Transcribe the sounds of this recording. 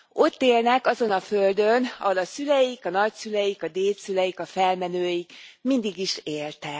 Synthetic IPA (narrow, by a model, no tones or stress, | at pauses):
o̞t̪ːeːlnɛkɒzo̞nɒføld̪ønɒ̰ɦolɒsylɛjikɒnɒcsylɛjikɒd̪eːlsylɛjikɒfɛlmɛnøːjikmind̪iɡiʃeːlt̪ɛ